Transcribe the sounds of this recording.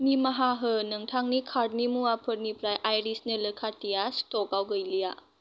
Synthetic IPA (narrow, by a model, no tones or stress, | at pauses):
nimɐɦaɦɯnɐŋtʰaŋnikʰaɾd̚nimuapʰɯɾ̚nipɾajʔajɾisnələkʰatijastɔkawɡəjlija